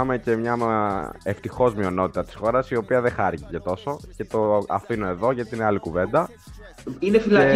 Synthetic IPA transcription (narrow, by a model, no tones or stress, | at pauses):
ɐme̞ce̞mɲɐ | eft̪ixo̞zmio̞no̞t̪i̥t̪ɐt̪i̥sxo̞ɾɐsio̞piɐðexɐɾicicet̪o̞so̞ce̞t̪o̞ɐfinoe̞ðo̞ʝɐt̪iineɐlikuve̞nd̪ɐ | inefilɐe